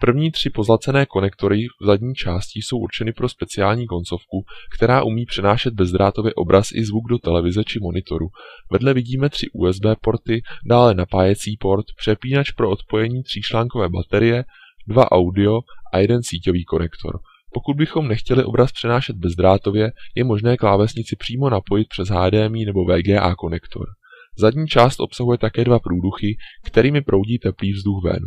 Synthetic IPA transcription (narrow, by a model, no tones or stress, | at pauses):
pr̩vɲiːt̪r̝̥ɪpo̞zlat͡sɛnɛːko̞nɛkt̪o̞ɾɪvzadɲiːt͡ʃaːscɪjso̞wʔuɾt͡ʃɛnɪpɾo̞spɛt͡sɪaːlɲiːko̞nt͡so̞fkukt̪ɛɾaːʔumiːpr̝̥ɛnaːʃɛd̪̚bɛzd̪ɾaːt̪o̞vjɛʔo̞̰bɾasʔɪ̰zvuɡdo̞t̪ɛlɛvɪzɛt͡ʃɪmo̞nɪt̪o̞ɾuvɛdlɛvɪɟiːmɛt̪r̥ɪʔṵːɛzbɛːpo̞ɾt̪ɪdaːlɛnapaːjɛt͡siːpo̞ɾt̪pr̝̥ɛpiːnat͡ʃpɾo̞ʔot̪po̞jɛɲiːt̪r̥iːt͡ʃlaːŋko̞vɛːba̰t̪ɛɾɪjɛ | dvaʔawdɪo̞ʔa̰jɛdɛnsiːco̞viːko̞nɛkt̪ʰo̰ɾ | po̞kud̪̚bɪxo̞mnɛxcɛlɪʔo̞bɾaspr̥ɛnaːʃɛd̪̚bɛzd̪ɾaːt̪o̞vjɛjɛmo̞ʒnɛːklaːvɛzɲɪt͡sɪpr̥iːmo̞napo̞jɪt̪̚pr̝̥ɛzɦaːdɛːmiːnɛbo̞vɛːɡɛːʔa̰ːko̞nɛkt̪ʰo̰ɾzadɲiːt͡ʃaːst̪ʔo̞psaɦujɛt̪akɛːdvapɾuːduxɪkt̪ɛɾiːmɪpɾʔo̞wɟiːt̪ɛpliːvzduxvɛ̰ːnu